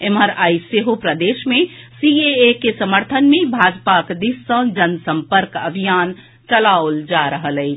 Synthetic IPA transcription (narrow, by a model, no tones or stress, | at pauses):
eməɾajseɦopɾəd̪eʃmesieekesəməɾt̪ʰənmebʱad͡ʒpakd̪isːə̃d͡ʒənsəmpəɾkə̰bʱijan | t͡ʃəlaold͡ʒaɾəɦələɪ